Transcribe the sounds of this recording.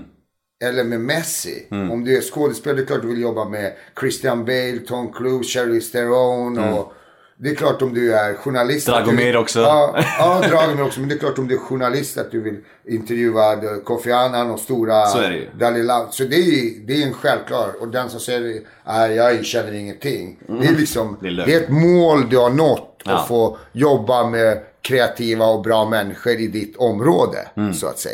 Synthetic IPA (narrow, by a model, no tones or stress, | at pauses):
ɛlːəɾmɛmɛsɪ̰ɔmd̪ɵæʂkoːd̪ɛspeːld̪ɛkʰlɑːʈ̚d̪ɵvɪljɔbːamɛkʰɾɪst̪ɪanbɛɪlt̪ʰɔnkʰɾuːɕɛɾlɪst̪ɛɾɔnɔ | d̪ɛɛkʰlɑːʈɔmd̪ɵæɾɧʊɳalɪst̪d̪ɾɑɡmɛɾɔksɔɑːɑːd̪ɾɑːɡəɾmɛɔksɔmɛnd̪ɛklɑːʈɔmd̪ɵæɧʊɳalɪst̪a̰t̪̚d̪ɵvɪl | ɪnt̪ɛɾjʉ̟ːad̪kʰɔfɛaːnanɔst̪uːɾasɾɛ̰d̪ɑːlɪland̪sɔd̪ɛjɵd̪ɛɾɛnɧɛlvkʰlɑːɾɔd̪ɛnsɔmsɛjːəɾ | æjɑːɕɛnːəɾɪŋːənt̪ʰɪŋːd̪ɛlɪksɔmd̪dɛɛt̪moːld̪ɵhaɳɔt̪ːɔfoːjɔbːamɛkʰɾɛat̪ʰiːvaɔbɾɑːmɛnːɪɧəɾɪd̪ɪt̪ʰːɔmɾoːd̪ə̰ssɔa̰t̪sɛ̰j